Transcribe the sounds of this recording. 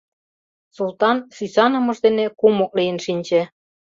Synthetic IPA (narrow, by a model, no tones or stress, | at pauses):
sulˠt̪ɑnsysɑnŏmɤ̆ʒd̪enekumok̚lijə̆nʃinʲt͡ɕĕ